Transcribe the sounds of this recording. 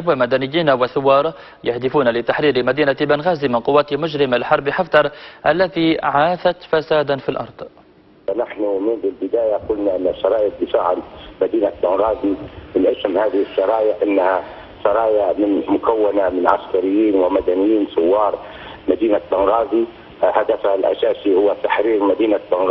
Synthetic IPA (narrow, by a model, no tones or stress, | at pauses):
bwamad̪anɪjːiːnawɪθʊwːɑːɾˤ | jahd̪ɪfuːnalɪt̪aħɾiːɾmad̪iːnabanɣaːzimɪnqʊwːaːt̪ɪmʊʒɾɪmalħɑɾˤbiħaft̪ˤɑɾˤʔalːat̪iʕaːθat̪fasaːd̪anfilʔɑ̰ɾˤd̪̥ˤ | fanaħnumɪnbɪlbɪd̪aːjaqʊlnaʔɪnːaʃːɑɾˤɑːjɪd̪ɪfaːʕalmad̪iːnabanɣaːzimɪnʔɪsmhaːðɪhɪʃːɑɾˤɑːjɪʕʔɪnːha | ʃɑɾˤɑːjaʕmɪnmʊkawːanamɪnʕa̰skaɾɪjːiːnwɪmad̪anɪjːiːnsʊwːɑːɾˤ | mad̪iːnabanɣaːzi | had̪afahalʔa̰ʃaːʃihʊwːat̪aħɾiːɣmad̪iːnabanɣ